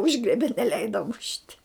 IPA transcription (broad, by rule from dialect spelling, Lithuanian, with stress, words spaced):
ˈʊʒɡrʲiɛbʲɛ nʲɛˈlʲɛɪdɐ mʊʃʲtʲ